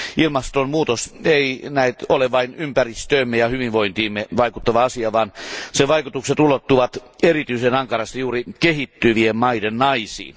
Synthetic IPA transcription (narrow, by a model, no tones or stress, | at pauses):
ilmɑst̪ommuːt̪oseinæit̪oleʋɑinympærist̪øimːejɑhyʋiʋʋoint̪iːmːeʋɑikut̪ːɑʋɑɑsiɑʋɑːnseʋɑikut̪ukset̪ulot̪ːuʋɑt̪erit̪yisenɑŋkɑrɑst̪ɑjuːrikehit̪ːyʋiemmɑidennɑisḭːn